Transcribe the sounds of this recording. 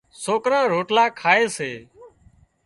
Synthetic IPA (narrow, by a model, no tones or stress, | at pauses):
soːkɾãːɾoːʈlaːkʰaːeːseː